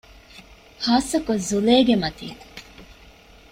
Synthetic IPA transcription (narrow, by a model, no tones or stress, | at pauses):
haːsɐkozuleːɡemɐt̪ḭː